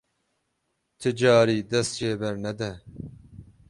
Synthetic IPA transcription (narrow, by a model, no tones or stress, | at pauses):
t̪ʰɨd͡ʒɑːɾiːd̪ɛst̪t͡ʃeːbɛɾnɛd̪ɛ